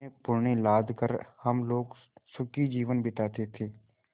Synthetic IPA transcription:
epʊɾɳilaːd̪ʱkəɾhəmloːɡ | sʊkid͡ʒiːʋənbɪt̪aːt̪et̪ʰeː

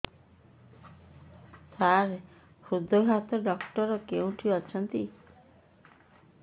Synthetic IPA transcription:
saɾ | kʰud̪ʱɔɦat̪ɔɖɔkʈɔɾɔkeũʈʰibat͡ʃʰɔnt̪i

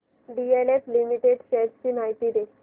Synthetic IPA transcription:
ɖieleflimiʈeɖɕeʈsinajʈ̪id̪e

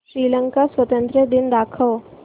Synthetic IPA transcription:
ʃɾiːlə̃ŋkasʋət̪ə̃nt̪ɾəd̪ɪnd̪aːkʰəʋ

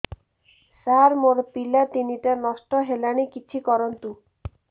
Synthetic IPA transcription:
saɾmoɾpilat̪iniʈanɔsʈɔɦelaɽ̃ikit͡ʃʰikɔɾɔnt̪u

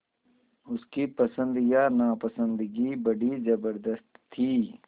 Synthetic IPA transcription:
ʊskipəsə̃nd̪janaːpəsə̃nd̪ɡibɐɽizɐbəɾd̪əst̪ʰːiː

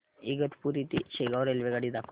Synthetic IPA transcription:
iɡɐt̪puɾit̪it͡ʃeɡawɾelʋeɡɐɽid̪ak

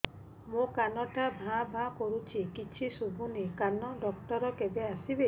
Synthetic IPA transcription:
mũkanɔʈabʱãbʱãkɔɾut͡ʃʰikit͡ʃʰisubʱunikanɔɖɔkʈɔɾɔkebeasibe

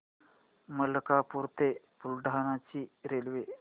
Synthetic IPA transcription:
məlkapuɾt̪e | pulɖʱanat͡ɕiːɾelʋe

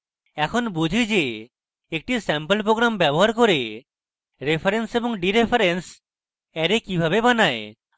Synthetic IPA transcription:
ɛkʰonbud͡ʒʱid͡ʒeː | k̚ʈisɛmpəlpɾoɡɾambɛboɦaɾkoɾe | ɾepʰaɾensebɔŋɖiɾepʰaɾens | ɛɾekibʱabebanae

